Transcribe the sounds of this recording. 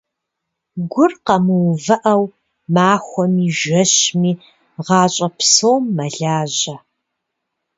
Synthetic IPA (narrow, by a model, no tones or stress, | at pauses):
ɡʷʊrqɐmɨwvɐʔɐw | maːxʷɔmiːʒɐɕmiː | ʁɑːɕʼɐpsowmːɐɮaːʑɐ